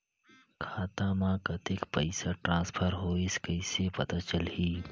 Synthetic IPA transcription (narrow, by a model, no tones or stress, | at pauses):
kʰaːt̪ãmãkɐt̪ɪkpəɪsaʈɾãːspʰəɾɦoːɪskɐɪsepɐt̪at͡ʃəlɦiː